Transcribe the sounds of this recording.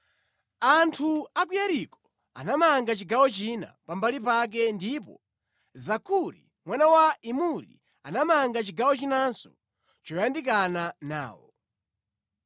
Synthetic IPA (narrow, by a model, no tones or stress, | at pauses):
antʰuak̬ujaɾikɔ̥ | a̰namaŋɡat͡ʃiɡawɔt͡ʃina̰pambalipak̬ɛndipɔ | zakʰuɾḭ | mwanawaimuɾḭ | anamaŋɡat͡ʃiɡawɔt͡ʃinansɔ | t͡ʃɔjandik̬anana̰ːwɔ̰